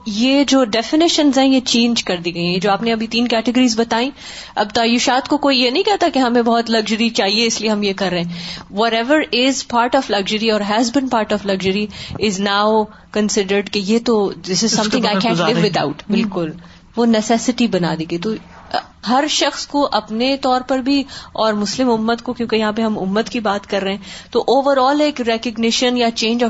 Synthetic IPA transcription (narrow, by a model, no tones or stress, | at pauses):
jeːd͡ʒoːɖɛfɪnɪʃə̃nzɦɛ̃jet͡ʃẽːnd͡ʒkɐɾd̪iɡɐĩɦɛ̃d͡ʒoːaːpneɐbʱit̪ĩːnkɛʈɪɡəɾiːzbɐt̪aːĩ | ɐ̰b̚t̪aːjʊʃaːt̪kokoːijenɐ̃ɦĩkɛɦt̪akeɦɐmẽbɔɦɔt̪lɐɡʒəɾit͡ʃaːɦieɪslieɦɐmjekɐɾːɐɦɛ̃ʋɔɾɛʋəɾɪzpaːɾʈɔʋlɐɡʒəɾiɔːɾɦɛzbɪ̃npaːɾʈɔflɐɡʒəɾiɪznaːʊ | kə̃nsɪɖəɾɖkejet̪od̪ɪsɪzsɐ̃mʰɪ̃ŋaɪkɛ̃ːlɪʋːɪd̪a̰ʊʈbɪlkʊl | ʋonɛsɛsɪʈibɐna̰ːd̪eːɡet̪o | ɦɐɾʃɐxskoʔɐpnet̪ɔːɾpɐɾbʱiɔːɾmʊslɪ̃mʊmːət̪kokjõːkejɐɦãːpeɦɐ̃mʊ̰mːət̪kibaːt̪kɐɾːɐɦɛ̃t̪oʔoːʋəɾɔːleːkɾɛkəɡnɪʃə̃njat͡ʃẽːnd͡ʒɔ